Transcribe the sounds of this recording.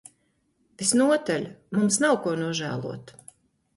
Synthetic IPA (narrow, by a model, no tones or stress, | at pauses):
visnuɔt̪alʲmumsnawkuɔnuɔʒæ̰ːlˠṵɔt̪